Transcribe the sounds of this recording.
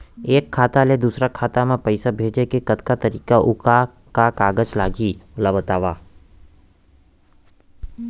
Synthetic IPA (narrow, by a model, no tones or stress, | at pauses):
eːkʰːaːt̪aled̪usɾakʰaːt̪amãpəjsabʱeːd͡ʒekekət̪kat̪əɾiːkaʔʊka | kakaːɡət͡ʃlaːɡiʊlabət̪aːʋa